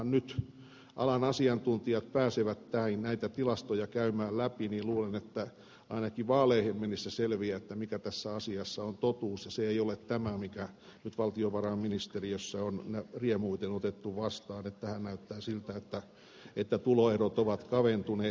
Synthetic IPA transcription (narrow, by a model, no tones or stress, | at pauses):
nnyt̪ | ʔɑ̰lɑnɑsiɑnt̪unt̪iɑt̪pæːseʋæt̪tænnæit̪æt̪ilɑst̪ojɑkæymæːllæpiniːluːlenet̪ːæ | ʔɑinɑkiʋɑːleihemːenisːæselʋiæet̪ːæmikæt̪æsːæɑsiɑsːɑont̪ot̪uːsjɑseeiolet̪tæmæmikæ | nyt̪ʋɑlt̪ioʋɑrɑːmminist̪eriøsːæonnæriemuit̪enot̪et̪ːuʋɑst̪ɑːnet̪ːæhænnæyt̪ːæːsilt̪æet̪ːæ | et̪ːæt̪uloerot̪oʋɑt̪kɑʋent̪uneː